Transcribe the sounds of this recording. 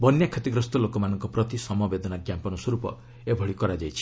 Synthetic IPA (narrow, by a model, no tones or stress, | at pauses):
bɔnjakʰɔt̪iɡɾɔst̪ɔlokɔmanɔŋkɔpɾɔt̪isɔmɔbed̪ɔnaɡjampɔnɔswɔɾupɔ̰ | ebʱɔɭikɔɾad͡ʒajt͡ʃʰi̥